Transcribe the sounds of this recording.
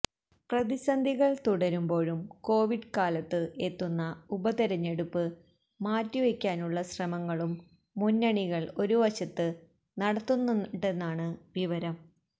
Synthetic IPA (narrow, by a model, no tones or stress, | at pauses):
prɐðiɕɐnd̪ʱiɣɐɭt̪uɽɐɾumbo̞ːɻumko̞ːʋiɖkaːlɐt̪ːɨʔe̞t̪ːunːɐubɐt̪iɾɐɲːe̞ɽupːɨː | aːtːiʋekʲːaːnuɭːɐɕrɐmɐŋːɐɭumː | unːɐɳiɣɐɭo̞ɾuʋɐɕɐt̪ːɨ | nɐɽɐt̪ːunːuɳɖe̞nːaːɳɨʋiʋɐɾɐm